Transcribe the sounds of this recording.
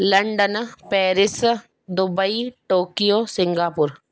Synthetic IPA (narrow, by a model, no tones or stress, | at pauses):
lɐɳɖənpɛːɾɪs | d̪ʊbəiʈoːkijoːsɪ̃ŋɡaːpʊɾ